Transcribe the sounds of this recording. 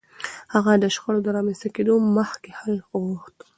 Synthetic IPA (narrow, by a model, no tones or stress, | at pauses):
haɣad̪əʃxəɽod̪əɾɑmest̪aked̪oməxkehalɣuxt̪